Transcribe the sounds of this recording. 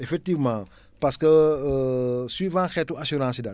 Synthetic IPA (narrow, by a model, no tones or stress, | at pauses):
efɛk̚t̪ivmã | pasə̥kəəswivãkɛt̪uasuɾãsida